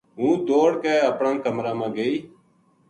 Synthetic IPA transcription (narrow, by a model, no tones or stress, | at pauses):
ɦũːd̪oːɽkeːəpɳãːkəmɾãːmãːɡəiː